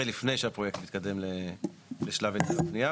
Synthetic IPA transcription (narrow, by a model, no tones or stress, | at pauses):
elifne̞jʃeapʁojektmit̪̚kad̪e̞mleleʃlavet̪aatnia